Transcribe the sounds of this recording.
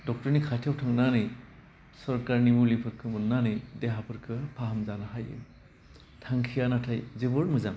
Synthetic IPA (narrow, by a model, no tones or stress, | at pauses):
dɔk̚tɔɾnikʰatʰjawtʰaŋnanɯj | sɔɾkaɾnimulipʰɯɾkʰɯmɯnːanɯjdeɦapʰɯɾkʰɯpʰaɦamzanɯɦajɯ̰ | tʰaŋkʰijanatʰajzibɯɾmɯzaŋ